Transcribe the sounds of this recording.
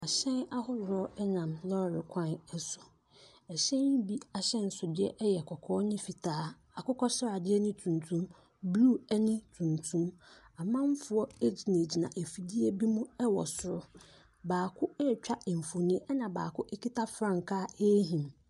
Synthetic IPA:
a˨ɕɛ̃˦na˦hʊ˦wɾɔ˦ɛ˦nã˨mlɔ˦˨ɾɪ˨kʷʰã˦˨nɛ˨sʊ̥˨ | ɛ˨ɕɛ̃˦n˦bi˦a˨ɕɛ̃˦˨n̩˨sʊ˨dɪ˦ɛ̰˦ʔjɛ˨kʰɔ˨kʰɔː˦nɪ̃˦fi˨tʰaː˦ | a˨kʊ˦kʰɔ˦ɕɾa˨dɪ˦ɛ˦nɪ̃˦tʰũ˨ntʰũ˦m | blu˦ɛ˦nɪ̃˦tʰũ˨ntʰũ˦ma˨mã˦m˦fʊ˨˦ɔ˦e˦d͡ʑi˨ne˨d͡ʑi˨nã̰˨ʔe˨fi˨di˦e˦bi˦mũ˦ɛ˦wɔ̰˨sʊ˨ɾʊ˦ | baː˨kʰʊ˦ɛ˦˨t͡ɕᶣa˦ɛ˨m̩˨fo˨nĩ˦ʔɛ˦nã˨ba̰ː˨kʰʊ˦ʔe˦kʰi˦tʰa˦fɾã˦ŋ˨kʰaː˦e˦ɦĩ˨m

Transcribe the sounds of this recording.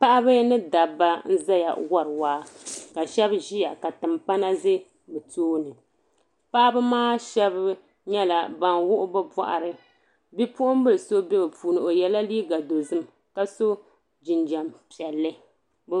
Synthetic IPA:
pa˦ʔa˦bɨ˦nɨ˦da˨ba˦n̩˦za˦ja̰˨wɔ˦ɾɨ˨waː˦ka˨ʃɛ˦bʒi˦ja˨ka˨tɨ˨mpa˦na˦zɨ˦ | bɨ˨toː˦nɨ˨ | pa˦ʔa˦bɨ˦maː˦ʃɛ˦b | ɲɛ˦la˨ba˨nwʊ˦ʔʊ˦bɨ˦ba̰˨ʔa̰˨ɾɨ˨ | bi˦pʊ˦ʔʊ˦m˦bɨ˦lso˦bɛ˦bɨ˨pʰuː˨nɨ˨ʔo˨jɛ˦la˦liː˦ɡa˨do˨zɨ˦m | ka˨so˦ | d͡ʒi˨nd͡ʒa˨mpi˨ɛ˨lːɨ˦ | b

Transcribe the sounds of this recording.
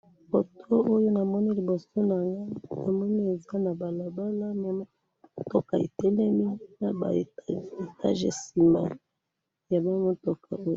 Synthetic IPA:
fo˨tʰo˦ʔo˦jo˦na˨mɔ˦ni˦li˨bo˨so˦na˨ŋɡa˦na˨mɔ˦ni˦e˨za˦na˨ba˨la˨ba˦la˦ma˨m˦ | to˦ka˨ḛ˨tɛ˦lɛ˦mi˦na˨ba̰˨˦e˨tʰa̰˦ʒḛ˨si˨ma̰˨ | ja˨ba˦mo˦to˨kʰa̰˨o˦j

